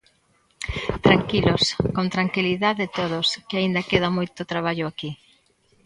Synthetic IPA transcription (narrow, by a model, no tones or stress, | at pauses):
t̪ɾaŋkiloskont̪ɾaŋkiliðaðet̪oðʊskɪaind̪ɐkeðɐmojt̪ot̪ɾaβ̞aʎʊaki